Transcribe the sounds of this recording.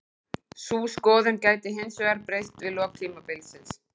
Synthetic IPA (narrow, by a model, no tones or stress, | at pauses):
suːskɔːðʏncaːjt̪ɪɦɪnsʏaɾpɾejst̪vɪðlɔːk̚t̪ʰiːmapɪlsɪns